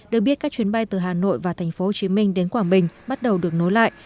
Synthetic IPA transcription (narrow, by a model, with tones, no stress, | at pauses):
ɗɨ˨˩ək̚ɓi˦˥ət̚kaː˦˥k̚t͡ɕwi˨˦ənɓa˧jt̪ɨ˨˩ɦaː˨˩no̰˧˨jvaː˨˩t̪ʰɛ˨˩jŋ̟fo˨˦ho˨˩t͡ɕi˨˦mï˧ŋ̟ɗe˨˦nkwaː˧˩mɓï˨˩ŋ̟ɓa˦˥t̚ɗə˨˩wɗɨ˨˩ək̚no˨˦jla̰ː˧˨jʔ